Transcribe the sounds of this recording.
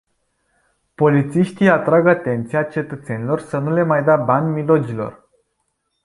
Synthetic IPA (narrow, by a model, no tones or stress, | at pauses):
po̞lit̪siʃt̪ijat̪ɾaɡat̪e̞nt̪siat͡ʃe̞t̪ət̪se̞nʲilo̞rsənule̞majd̪abanʲmilo̞d͡ʒilo̞̰r